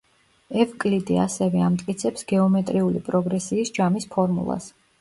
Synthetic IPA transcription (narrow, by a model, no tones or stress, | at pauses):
ɛvkʼlid̪ia̰sɛvɛamt̪ʼkʼit̪sʰɛpsɡɛɔmɛt̪ʼɾiulḭpʼɾɔɡɾɛsiːsd͡ʒamispʰɔɾmṵlˠa̰s